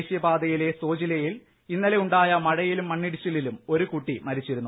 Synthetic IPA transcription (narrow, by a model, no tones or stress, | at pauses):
ʂjɐbaːd̪ɐjile̞so̞ːd͡ʑilɐjil | inːɐle̞uɳɖaːjɐmɐɻɐjilumːɐɳːiɽit͡ɕːɐlilumo̞ɾukuʈːimɐɾit͡ɕːiɾunːu